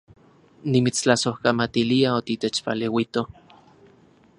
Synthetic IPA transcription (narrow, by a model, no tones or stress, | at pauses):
nimit͡st͡ɬasohkamat̪iliaot̪it̪et͡ʃpa̰lewit̪o